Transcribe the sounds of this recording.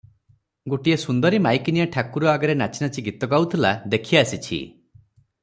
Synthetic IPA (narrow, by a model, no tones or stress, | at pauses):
ɡoʈiesund̪ɔɾimajkinijaʈʰakuɾɔaɡɔɾenat͡ʃʰinat͡ʃiɡit̪ɔɡawt̪ʰilad̪ekʰijaːsit͡ʃʰḭ